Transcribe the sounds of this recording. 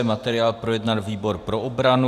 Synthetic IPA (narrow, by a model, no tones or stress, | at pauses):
ɛmat̪ɛɾɪaːlpɾo̞jɛdnalviːbo̞ɾpɾo̞ʔobɾanu